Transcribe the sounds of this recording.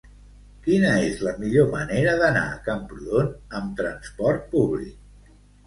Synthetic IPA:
kinəezləmiʎoməneɾəðəna̰əkampɾuðonəmt̪ɾənspɔɾt̪̚puβlḭk̚

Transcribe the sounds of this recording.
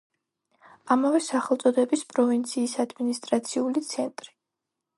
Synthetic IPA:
amavɛsaχɛlˠt̪sʼɔd̪ɛbispʼɾɔvint̪sʰiːsad̪minist̪ʼɾat̪sʰiulit̪sʰɛnt̪ʼɾi

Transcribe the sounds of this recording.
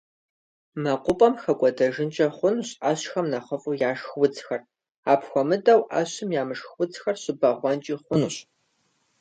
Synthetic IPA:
mɐqʷʊpʼɐmxɐkʷʼɔdɐʒɪnt͡ʃʼɐχʷʊnuɕʼaɕxɐmnɐχəfʼujaːʂxwʊt͡sxɐr | aːpʰxʷɔmɨdʼɐwʔɐ̰ɕɪmjaːmɨʂxwʊt͡sxɐrɕɪbɐʁʷɔnt͡ʃʼiːχʷʊnuɕ

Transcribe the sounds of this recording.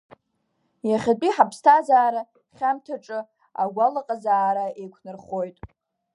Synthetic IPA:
jaχʲat͡pʼiħapʰstʰazaːɾa | χʲamtʰaʈ͡ʂʼɨ | a̰ɡʷalaqʼazaːɾaejkʷʰnɨrχo̞jtʼ

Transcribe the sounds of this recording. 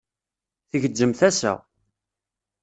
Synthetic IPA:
θəʝədːəmθæsæ̰

